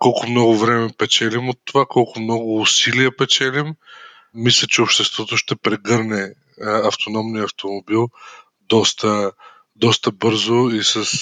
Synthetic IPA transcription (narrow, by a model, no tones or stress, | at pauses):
kɔlˠkʊmnɔɡʊvɾɛmɛpɛt͡ʃɛlimot̪ːovakɔlˠkʊmnɔɡʊːsiliɐpɛt͡ʃɛlimː | islʲət͡ʃɛopʃt̪ɛst̪vɔt̪oʃt̪ɛpɾɛɡɤɾnɛ | ɐft̪onɔmniɐft̪omobilˠ | d̪ɔst̪ə | d̪ɔst̪əbɤɾzoisəs